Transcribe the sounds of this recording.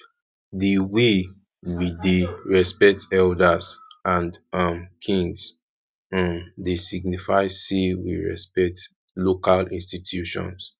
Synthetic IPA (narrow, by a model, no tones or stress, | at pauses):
diwe | wideɹɛspɛk̚tɛldazãndʌmkʰĩŋz | ʌ̃mdesiɡ̚nifaɪsewḭɹɛ̰spɛk̚t | lokalĩnstitʰjuʃɔ̰̃ns